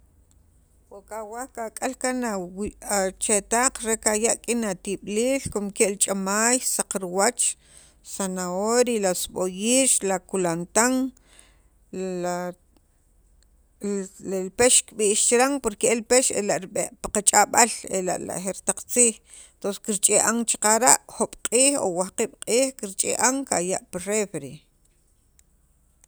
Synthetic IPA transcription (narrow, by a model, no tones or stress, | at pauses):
waʔkawahkakʼalkanawat͡ʃet̪aːq͡χɾekajaʔkʼinat̪iɓliːlkomkeʔlt͡ʃʼamaːjsaq͡χɾuwat͡ʃ | sanaoɾilasɓojiːʃlakulant̪aŋ | elpeʃkɓiːʔʃt͡ʃɾaŋpoɾkeelpeʃḛlaʔɾɓeʔpḁqat͡ʃʼaɓalela̰ʔla̰ʔxeɾt̪aq͡χt͡siːχ | ent̪onse̥kiɾt͡ʃʼeʔaŋt͡ʃiqaɾaʔxoɓ̥qʼiːχo̰wahqiːɓ̥qʼiːχkiɾt͡ʃʼeʔaŋkajaʔpirefɾi